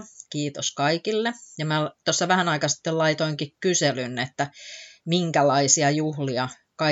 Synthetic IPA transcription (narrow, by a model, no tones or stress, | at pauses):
kiːt̪oskɑikilːejɑmæt̪osːɑʋæhænɑikɑsi̥t̪ːellɑit̪oiŋkikkyselynet̪ːæmiŋkælɑisiɑjuhliɑ | kɑ